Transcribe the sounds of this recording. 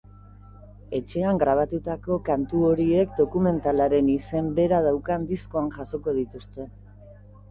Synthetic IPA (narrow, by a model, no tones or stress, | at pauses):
e̞t͡ʃe̞aŋɡɾaβ̞at̪ut̪ako̞kant̪uo̞ɾie̞kd̪o̞kume̞nt̪alaɾe̞nise̞mbe̞ɾað̞awkand̪isko̞anʝaso̞ko̞ð̞it̪ust̪e̞